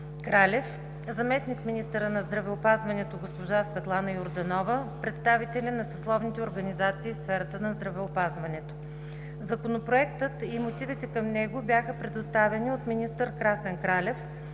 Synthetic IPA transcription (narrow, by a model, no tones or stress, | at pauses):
kɾalʲɛf | zɐmɛsnikminist̪əɾənɐzd̪ɾɐvɛopazvɐnɛt̪oɡospoʒasvɛt̪lˠanəjʊɾd̪ɐnɔvəpɾɛt̪st̪avit̪ɛlʲinɐsɐslˠɔvnit̪ɛoɾɡɐnizat̪siːfsfɛɾət̪ənɐzd̪ɾɐvɛopazvɐnɛt̪o̥ | zɐkonopɾoɛkt̪ət̪imot̪ivit̪ɛkɐmnɛɡobjaxəpɾɛd̪ost̪avɛniot̪minist̪əɾkɾasɛnkɾalʲɛf